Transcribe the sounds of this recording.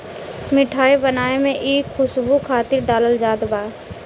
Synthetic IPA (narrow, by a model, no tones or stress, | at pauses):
mɪʈʰaːebənaːemẽʔiːkxʊsbukʰaːt̪ɪɾɖaːləld͡ʒaːd̪baː